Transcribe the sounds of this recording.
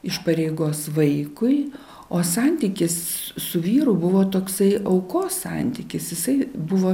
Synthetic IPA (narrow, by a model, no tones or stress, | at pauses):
ɪʃpɐɾʲeɪɡoːsʋɐɪkʊɪ | oːsɑnʲt̪ʲiːkʲɪssʊʋʲiːɾʊbʊʋoːt̪oːksɐɪʔɐʊkoːssɑ̰ˑnʲt̪ʲiːkʲɪsjɪsɐɪbʊʋoː